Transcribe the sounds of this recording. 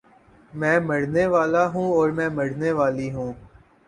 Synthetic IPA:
mɛ̃ːmɐɽneʋaːlaɦũːɔːɾmɛ̃ːmɐɽneʋaːliɦũː

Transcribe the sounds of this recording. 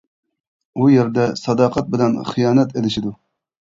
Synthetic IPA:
ujeɾd̪ɛsɑd̪ɑːqʰɑt̪̚bɪlɛnχijɑːnɛt̪elɪʃid̪u

